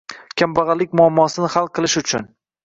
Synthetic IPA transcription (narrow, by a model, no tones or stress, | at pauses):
kʲʰambɑʁɑlːɪk̚ʲmʊamːɒsɪnɪχalˠqʰɨlˠɪʃʊt͡ʃʰʊn